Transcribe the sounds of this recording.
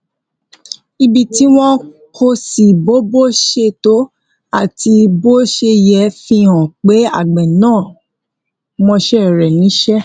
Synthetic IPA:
i˧bi˧ti˨˦w̃ɔ̃˦ | ko˧si˨bo˦bo˦ʃe˧˦to˨˦ | a˦˨ti˧bo˦ʃe˧jɛ˧˦fĩ˧˦ɔ̃˨k͡pe˨˦a̰˦˨ɡ͡bɛ˨nãː˦˨ | mɔ̃˧ʃɛ˦˨ɾɛ˨nĩ˨˦ʃɛ˦

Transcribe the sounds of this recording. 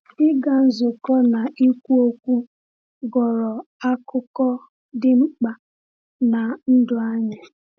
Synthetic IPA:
ɪ˦ɡa˨n̩˦zʊ˨kɔ˦na˨ʔi˦kʷu˦o˦kʷu˦ | ɡɔ˨ɾɔ˨a˦kʊ˦kɔ˦ | dɪ˦ŋ͡m̩˦k͡pa˨ | na˨n̩˦dʊ˦a˦ɲɪ˨

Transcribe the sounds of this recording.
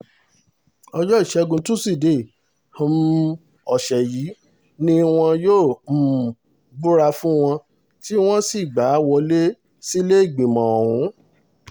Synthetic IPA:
ɔ˧d͡ʒɔ˦i˦˨ʃɛ˨˧˦ɡũ˧tũ˦si˦˨de˦˨ | hm˦ | ɔ˨ʃɛ˨jiː˨˦ | nĩ˦w̃ɔ̃˧joː˦˨m̩˨ | bu˦ɾa˧fũ˦w̃ɔ̃˧ | ti˦w̃ɔ̃˦si˦˨ɡ͡ba˨˦wɔ˧le˦ | si˦le˦i˦˨ɡ͡bĩ˨mã˨o˨ɾũ˨˦

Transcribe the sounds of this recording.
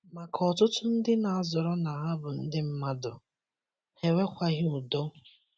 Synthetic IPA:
ma˨kʰɔ˨tʊ˦tʊ˦n̩˦dɪ˦na˨a˨zɔ˨ɾɔ˦na˨a˦bʊ˨n̩˦dɪ˦m̩˦ma˦dʊ̰˨ | he˨we˦kʷa˦ɣɪ˦u˨do˦

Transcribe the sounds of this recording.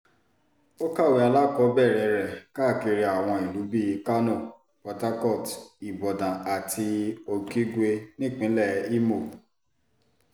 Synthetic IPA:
o˦ka˦˨we˨˧a˧la˦kɔ˨˧˦bɛ˦˨ɾɛ˨ɾɛ˨ka˦˨ki˧ɾi˧a˨w̃ɔ̃˧˨i˨lu˨˦bi˦˧˦ka˦nũ˦˨ | pɔ˨˧ta˦kɔ˦˨ti˨bɔ˨dã˨a˨tʰi˧o˨ki˦ɡʷe˧nĩ˦˨k͡pĩ˨˦lɛ˦˨˦i˦mo˦˨

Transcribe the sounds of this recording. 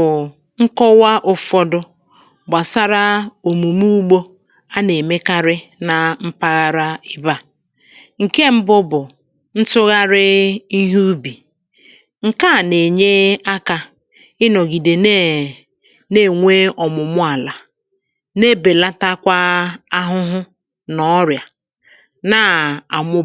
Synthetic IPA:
ʊ˨ | ŋ̩˦kɔ˦wa˦ʔʊ˦fɔ˦dʊ˦ | ɡ͡ba˨sa˦ɾa˦o˨mu˨mu˦u˦ɡ͡bo˦ | a˦ne˨me˦ka˦ɾɪ˦na˨m̩˦pa˦ɣa˦ɾa˦ɪ˦ba˦ | ŋ̩˨ke˦m̩˦bʊ˦bʊ˨ | n̩˦tʊ˦ɣa˦ɾɪ˦i˦ɦu˦bi˨ | ŋ̩˨ka˦˨ne˨ɲe˦a˦ka˨ | ɪ˦nɔ˨ɡi˨de˨n˦ | ne˦˨ŋʷe˦ɔ˨mʊ˨mʊ˦a˨la˨ | ne˦be˨la˦ta˦kʷa˦a˦ɦʊ˦ɦʊ˦ | nɔ˦ɾja˨ | na˦a˨mʊ˦

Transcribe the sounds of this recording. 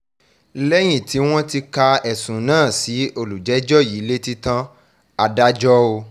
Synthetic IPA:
lɛ˦j̃ĩ˨ti˨˦w̃ɔ̃˦ti˧ka˧ɛ˨sũ˨nãː˦˨si˨˦o˧lu˨d͡ʒɛ˨˦d͡ʒɔ˦˨ji˨˦le˦ti˦tã˦ | a˧da˦d͡ʒɔ˦o˧

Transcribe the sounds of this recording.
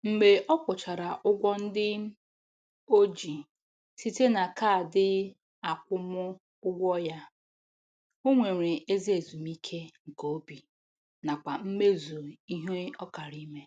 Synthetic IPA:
m̩˦ɡ͡be˨ʔɔ˦kʷʊ˨t͡ʃa˨ɾa˨ʔʊ˦ɡʷɔ˦n̩˦dɪ˦ | o˦d͡ʒi˨ | si˦te˦na˨ka˦˨dɪ˦ | a˨kʷʊ˦mʊ˦ | ʊ˦ɡʷɔ˦ja˦ | o˦ŋʷe˨ɾe˨e˦zi˦e˨zu˨m˦i˦kʰe˦ŋ̩˨ko˦o˦bi˨ | na˨kʷa˨m̩˦me˦zu˨i˦ɦe˦ɔ˦ka˨ɾi˦me˦

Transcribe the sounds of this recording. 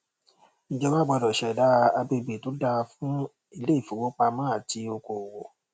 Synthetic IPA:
nĩ˨d͡ʒɛ˧˦wa˦˨ɡ͡bɔ˧dɔ˨ʃɛ˨da˨˦˧a˧be˧be˨to˨˦da˧fũ˦ | i˧le˦i˦˨fu˨˦wo˦k͡pa˧mãː˦a˨ti˧o˧ko˨wo˨

